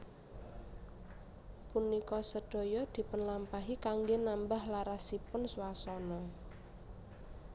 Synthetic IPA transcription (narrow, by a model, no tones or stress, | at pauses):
punikɔsəd̪̥o̤jɔd̪̥i̤pənlampaɦikaŋɡenambahlaɾasipʊnsuwasɔnɔ